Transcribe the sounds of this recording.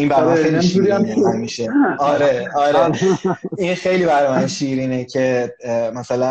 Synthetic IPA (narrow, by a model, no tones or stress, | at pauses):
imbæɾasineuɾiamæmiːʃeɒɾeɒːɾeʔinxe̞jliːbæɾɒjmænʃiːɾiːnecʰe̞mæsælæn